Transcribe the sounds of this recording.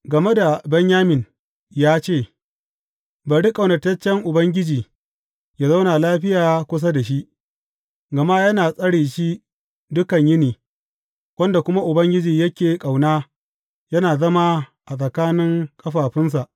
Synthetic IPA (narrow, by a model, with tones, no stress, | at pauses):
ɡɐ˨me˦da˨bɐ˦ɲjaː˦mɪ˨n | jaː˦t͡ʃeː˦˨ | bɐ˨ɽi˦kʼa˨wnɐ˨tɐ˦t͡ʃːɛ˦ŋʔʊ˨bɐ˦ŋɡʲɪ˦d͡ʒiː˨ | jaː˨za˦wna˨laː˦ɸɪ˦jaː˨kʷʊ˦s̬a˦da˨ʃi˦ʔ | ɡɐ˨ma˦jɐ˦naː˨sʼɐ˦ɽiː˨ʃi˦ | dʊ˦kɐ˨ɲjɪ˦niː˨ | wɐ˦nda˨kʷʊ˦ma˦ʔʊ˨bɐ˦ŋɡʲɪ˦d͡ʒiː˨jɐ˦kʲeː˨kʼa˨wnaː˦ | jɐ˦naː˨zɐ˦ma˦ʔa˨sʼɐ˨kaː˦nɪ˦ŋkʼɐ˦ɸaː˨ɸɪ˦ns̬a˨ʔ